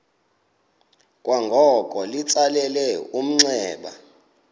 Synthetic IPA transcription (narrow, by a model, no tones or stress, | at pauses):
kʼwaŋɡʱɔkʼɔlit͡sʼalɛlɛum̩ŋ͡ǀɛːɓa̰